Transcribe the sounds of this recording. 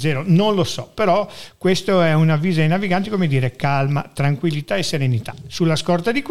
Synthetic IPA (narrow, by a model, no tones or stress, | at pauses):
zɛːɾononlosɔpeɾɔkwest̪oɛunavːiːzainaviɡant̪ikomed̪iːɾekalma̰t̪ɾaŋkwilːit̪aesːeɾenit̪ḁsulːaskɔrt̪ad̪ik